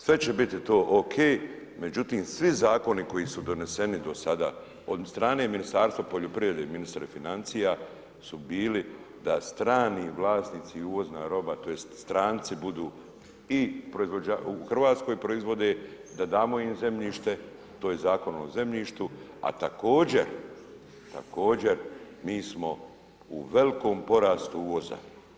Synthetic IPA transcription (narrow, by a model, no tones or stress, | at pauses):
sʋe̞t͡ɕe̞bit̪it̪o̞ːʔokʰeːj | me̞d͡ʒut̪iːmsʋizaːko̞niko̞jisud̪o̞ne̞se̞nid̪o̞sad̪a̰ː | od̪st̪ɾaːne̞ːminist̪aːɾst̪ʋapo̞ʎo̞pɾiʋɾe̞d̪e̞iminist̪ɾifinant̪sija | subiːli | d̪ast̪ɾaːniːʋlˠaːsniːt̪siuʋo̞znaːɾo̞bat̪ojest̪st̪ɾaːnt̪sibud̪uː | ipɾoizʋo̞d͡ʑauxr̩ʋaːt̪skojipɾo̞izʋo̞d̪e̞ | d̪ad̪aːmo̞imze̞mʎiːʃt̪e̞ | t̪oːjezaːko̞no̰ze̞mʎiːʃt̪u | a̰t̪ako̞ːd͡ʑe̞̰ɾ | t̪a̰ko̞ːd͡ʑe̞ɾ | miːsmo̞ | uʋe̞liko̞ːmpo̞ɾaːst̪uuːʋo̞za̰